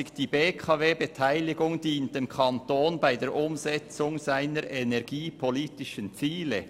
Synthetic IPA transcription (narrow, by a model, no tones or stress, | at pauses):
ɪçd̥iːbeːkʰɑveːbetʰaɪlɪɡʊŋdiːnt̚demkʰɑntoːnbaɪdeːɾʔʊmzɛt͡sʊŋz̥aɪnəɾʔenɛʁɡiːpʰoliːtɪʃənt͡siːlə